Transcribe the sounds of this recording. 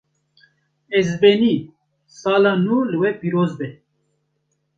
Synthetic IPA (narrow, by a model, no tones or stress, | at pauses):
ezbeniː | saːlaːnuːlɨwɛpiːɾoːzbɛ